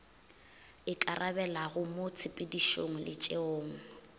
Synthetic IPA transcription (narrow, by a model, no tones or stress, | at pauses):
ɪkʼarʔabɛlaɣʊmot͡sʰɪpʼɪdiʃoŋ̩lɪ̰t͡ʃʼeoːŋ̩